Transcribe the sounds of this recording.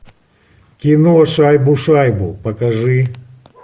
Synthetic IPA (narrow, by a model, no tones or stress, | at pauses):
kʲinuɔʂajbuʂajbupɐkɐʐɨ